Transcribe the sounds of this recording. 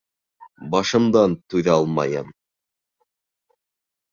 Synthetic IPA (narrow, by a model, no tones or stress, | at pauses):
bɑʃɤ̆md̪ɑnt̪ʉðæɑlˠmɑ̰jɤ̰m